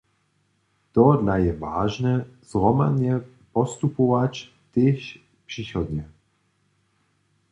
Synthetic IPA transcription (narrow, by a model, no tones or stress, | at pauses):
t̪ɔd̪lajɛvaːʒnɛz̥ʁɔmad̪jɛ | pɔst̪upɔʋat͡ʃ | t̪eɕ | pʂiːxɔd̪ɲɛ